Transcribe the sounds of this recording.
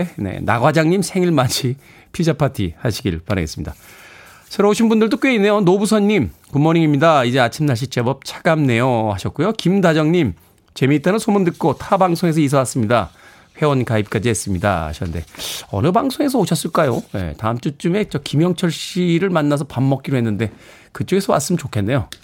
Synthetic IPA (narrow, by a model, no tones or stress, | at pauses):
ne̞̰na̰ɡwad͡ʑaŋɲimsʰe̞ŋiɭmat͡ɕʰi | pʰid͡ʑapʰatʰihaɕʰiɡiɭpaɾa̰ɡe̞s͈ɯmɲid̥a̰ | sʰeɾooɕʰinbundɯɭdok͈we̞inːe̞jonobusʰʌnːimkumːoɲiŋimɲidaid͡ʑe̞at͡ɕʰimnaɕ̬ʰit͡ɕ͈e̞bʌp̚t͡ɕʰḁɡ̥amne̞johaɕʰʌt̚k͈ujokimdad͡ʑʌŋɲim | t͡ɕe̞mit͈enɯnsʰomɯndɯk̚k͈otʰabaŋsʰoŋe̞s̬ʰʌis̬ʰʌwas͈ɯmɲida̰ | ɸwe̞wʌnkaip̚k͈ad͡ʑiɦes͈ɯmɲida̰a̰ɕʰnnde̞̰ʌ̰nɯbaŋsʰoŋe̞sʰʌoɕʰʌs͈ɯɭk͈ajoje̞̰ta̰ɯmt͡ɕ͈ut͡ɕ͈ume̞t͡ɕʌkimjʌŋt͡ɕʰʌɭɕ͈iɾɯɭmanːas̬ʰʌpamːʌk͈iɾoɦe̞nːɯnde̞ | kɯt͡ɕ͈oɡe̞sʰʌma̰ns͈ɯmt͡ɕokʰe̞nːe̞jo